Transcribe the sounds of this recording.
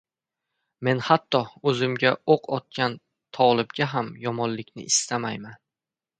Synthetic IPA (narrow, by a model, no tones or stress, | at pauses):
me̞nhat̪ʰːɒɵzɪmɡʲaoqʰɒt̪̚kʲan | t̪ʰɒlˠɪbɡʲaɦamjɒmɒnlɪkʲnɪ̰ʔɪst̪amajman